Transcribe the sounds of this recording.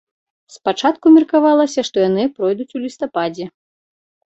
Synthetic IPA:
spat͡ʂat̪kumʲirkavalˠɐsʲɐʂt̪ɔjanɨpɾɔjd̪ut͡sʲulʲist̪apad͡zʲɛ

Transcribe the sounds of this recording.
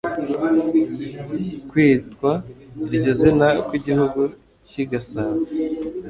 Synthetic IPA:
kwiːtkwaiɾɟozinakwiɟihuɡu | ciɡasaːze

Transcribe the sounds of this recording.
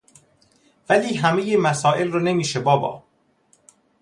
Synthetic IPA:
væliːɦæme̞jemæsɒːʔe̞lrone̞miːʃebɒːbɒ̰ː

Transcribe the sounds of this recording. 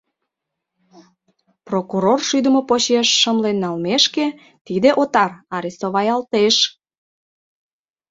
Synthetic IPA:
prokuɾorʃyd̪əmopot͡ɕeʃːəmlenːɑlmeʃke | t̪id̪eʔot̪ɑrɑɾisoβɑjɑlt̪eʃ

